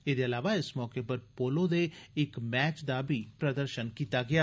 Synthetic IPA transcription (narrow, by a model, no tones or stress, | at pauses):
ɪd̪eːəlaːʋaːɪsmɔːkeːpəɾpoːlõːd̪eːɪkmɛːt͡ʃd̪aːbʱiːpɾəd̪əɾʃənkiːt̪aːɡɪaː